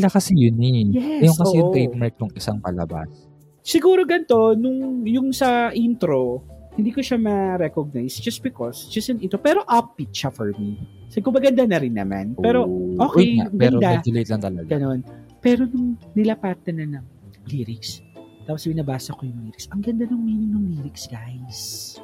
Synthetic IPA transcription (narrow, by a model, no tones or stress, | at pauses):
lɐkɐsɛjʊnɛjɛɐjoŋkɐosɛjʊŋt̪ejt̪̚maɹk̚nʊŋɪsaŋpɐ̰lɐ̰ba̰s | sɪɡuːɾo̞ɡɐnt̪o̞nʊŋjʊŋsɐʔint̪ɾo̞hɪnd̪iːkoʃamɐɾɛkoɡ̚najsd͡ʒɐst̪̚bɪkosd͡ʒɐsɪnɪnt̪ɾopɛːɾo̞ʔɐpːit̪̚ʃɐfɔɹmi | sɪkomɐɡɐnd̪anɐɾɪnːɐ̰ma̰npɛːɾo̞ʔo̞ːkɛjjaɡɐnɾd̪aɛlejt̪lɐŋt̪ɐlɐɡɡɐno̞npɛːɾo̞nʊŋnɪlɐpaːt̪ɐnɐnɐŋliːɾɪkst̪aːposbɪnɐbaːsɐkojʊŋliːɾɪksɐŋɡɐnd̪anʊŋmɛːnɪŋnʊŋliːɾɪksɡajs